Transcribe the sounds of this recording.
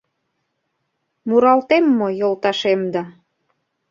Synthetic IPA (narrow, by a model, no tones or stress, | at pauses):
muɾɑlt̪emːojolt̪ɑʃemd̪ɑ